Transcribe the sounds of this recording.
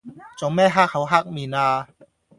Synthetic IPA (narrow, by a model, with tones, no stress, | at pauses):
t͡so˨˥˦ŋmɛː˥˩ɦaː˥k̚ha˨˥wɦaː˥˩k̚miː˨˩naː˧